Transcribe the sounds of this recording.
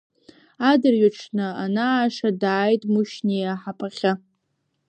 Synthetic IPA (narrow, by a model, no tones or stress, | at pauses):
adɨrɥaʈ͡ʂʰnɨanaːʂadaːjtʼmɨʃnejaħapʰʼaχʲa